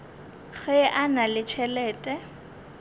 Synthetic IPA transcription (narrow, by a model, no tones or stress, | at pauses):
ɣɛʔanalɪt͡ʃʰɛlɛːtʼɛ